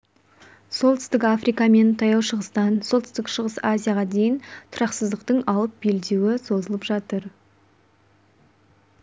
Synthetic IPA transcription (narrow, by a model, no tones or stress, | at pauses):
so̞lˠt̪ʰɪst̪ɪkafɾijkɑme̞nt̪ʰɑjɑwʃəʁəst̪ɑnso̞lt̪ɪ̥st̪ɪkʃəʁəsazʲijaʁɑd̪e̞jɪnt̪ʰʊɾɑqsəzd̪əqt̪əɴɑlˠəp̚b̥e̞ld̪ewɪso̞zəlˠəpʒɑt̪əɾ